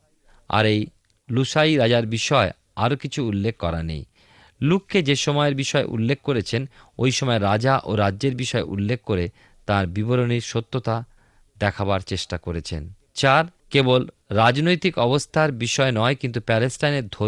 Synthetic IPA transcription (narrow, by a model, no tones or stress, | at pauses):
a̰ɾej | luʃaiɾad͡ʑaɾbiʃɔe | aɾokit͡ɕʰuulːekʰkɔɾa̰nḛj | lukʰːed͡ʑeʃɔmɔeɾbiʃɔeʔṵlːek̚ʰkoɾet͡ɕʰenojʃɔmɔeɾad͡ʑaʔoɾadʑeɾbiʃɔeʔṵlːekʰkoɾe | t̪ãɾbiboɾoniɾʃot̪ːot̪a | d̪ɛkʰabaɾt͡ɕeʃʈakoɾet͡ɕʰḛn | t͡ɕaɾkebolɾad͡ʑnojt̪ikɔbost̪ʰaɾbiʃɔenɔekint̪̬upɛlesʈajneɾd̪ʱo